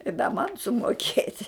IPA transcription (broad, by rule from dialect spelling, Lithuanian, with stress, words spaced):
ɪ dɐ ˈmɐn sʊmoːˈkʲeːtʲ